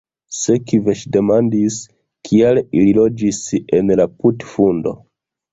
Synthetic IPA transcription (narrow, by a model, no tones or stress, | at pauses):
sekiveʃde̞mandis | kʰielililo̞d͡ʒisenlaputfundo̞̰